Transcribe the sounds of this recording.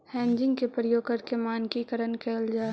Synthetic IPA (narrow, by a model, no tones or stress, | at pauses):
hɛ̃ːɲd͡ʒɪ̃ŋɡkepɾəjoːɡkəɾkemaːnkikəɾənkʰeːld͡ʒaː